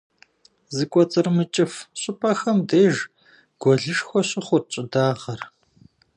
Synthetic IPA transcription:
zɨkʷʼɔt͡sʼɨrmɨt͡ʃʼɪfɕʼɪpʰʼɐxɐmdeːʒ | ɡ̥ʷɔɮɨʂxʷɔɕʼɪχʷʊrt͡ʃʼɪdaːʁɐr

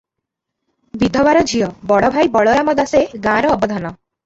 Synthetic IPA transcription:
bid̪ʱɔbaɾɔd͡ʒʱijɔbɔɽɔbʱajbɔɭɔɾamɔd̪aseɡãɾɔːbɔd̪ʱanɔ

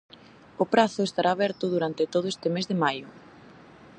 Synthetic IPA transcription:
ʊpɾaθʊest̪aɾʔaːβɛɾt̪ʊðuɾant̪ɪt̪oð̞ʊest̪ɪmezðemajʊ

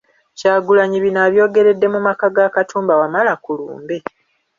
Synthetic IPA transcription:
caːɡulaɲiβinaːβjo̞ːɡe̞ɾe̞dːe̞mumakaɡakatʰuːmbawamalakulṵːmbe̞

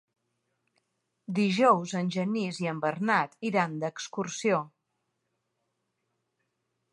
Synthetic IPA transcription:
d̪iʒɔwzənʲʒəniziəmbərnat̪iɾand̪əkskursio

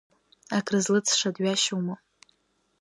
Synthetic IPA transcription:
akʰʼrɨzlɨt͡sʰʂadɥaʃuwma

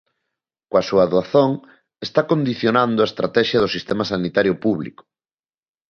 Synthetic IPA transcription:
kwasuaðoaθoŋ | est̪akond̪iθjonãnd̪oʊaest̪ɾat̪ɛʃjɐð̞ʊsist̪ɛmasanit̪aɾjʊpuβlḭkʊ̥

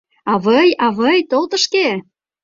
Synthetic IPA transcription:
ɑβəjɑβəjt̪olt̪ə̆ʃke

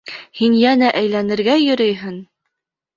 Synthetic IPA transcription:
hinjænæʔæjlænɘ̆ɾɡæjɵ̆ɾɵjɦɘn

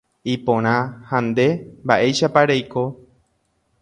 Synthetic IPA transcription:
ipõɾ̃ãhãnd̪e̞mbaʔe̞jʃapaɾejko̞

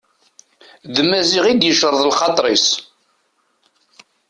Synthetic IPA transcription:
ðmæziʁid̪jəʃəɾˤðˤlχɑt̪ˤɾˤis

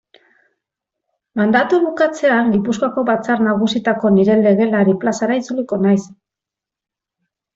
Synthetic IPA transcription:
mand̪at̪uβukat͡se̞aŋɡipuskoako̞βat͡saɾnaɣ̞usit̪ako̞niɾe̞le̞ɣe̞laɾiplasaɾait͡suliko̞najs

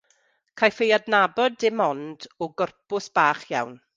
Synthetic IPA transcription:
kʰajfejadnabɔdɪmɔndɔɡɔrpʊsb̥aːχja̰wn

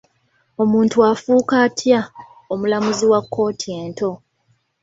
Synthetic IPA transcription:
o̞muːntuafuːkatʰja | o̞mulamuziwakʰːo̞ːtʰieːnto̞

